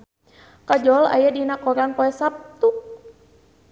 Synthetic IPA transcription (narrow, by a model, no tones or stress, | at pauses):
kad͡ʒɔla̰jadinakɔɾanpoɛsap̚t̪uk̚